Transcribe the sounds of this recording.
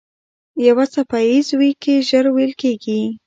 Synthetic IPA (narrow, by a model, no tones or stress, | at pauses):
jawat͡sapajizwikeʒəɾwejlkeɡi